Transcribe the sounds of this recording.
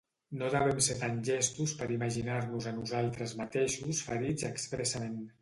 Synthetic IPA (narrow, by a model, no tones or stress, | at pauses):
noðəβ̞ɛmset̪anʒɛst̪uspəɾiməʒinaɾnuzənuzalˠt̪ɾəzmət̪eʃusfəɾid͡zəkspɾɛsəmen